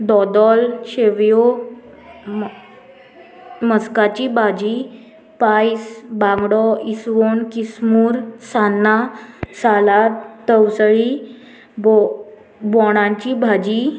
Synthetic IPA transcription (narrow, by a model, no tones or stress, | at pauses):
d̪ɔd̪ɔlɕeʋjo | məskat͡ɕibʱad͡ʑi | pajsbãŋɡɽɔisʋonkismuːɾsanːasalaəwsɭi | bɔ | bɔɽ̃ãɲt͡ɕibʱad͡ʑi